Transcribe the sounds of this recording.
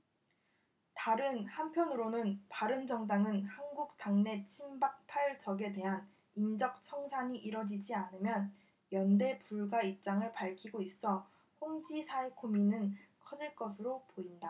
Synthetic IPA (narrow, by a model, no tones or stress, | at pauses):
taɾɯnhampʰjʌnɯɾonɯnpaɾɯnd͡ʑʌŋdaŋɯnhanɡuk̚taŋne̞t͡ɕʰimbak̚pʰaɭd͡ʑʌɡe̞de̞ɦan | ind͡ʑʌk̚t͡ɕʰʌŋsʰaɲiʔiɾʌd͡ʑid͡ʑianɯmjʌn | jʌnde̞puɭɡwaip̚t͡ɕ͈aŋɯɭpaɭkʰiɡois͈ʌ | hoŋd͡ʑisʰaekʰominɯnkʰʌd͡ʑiɭk͈ʌsʰɯɾopoinda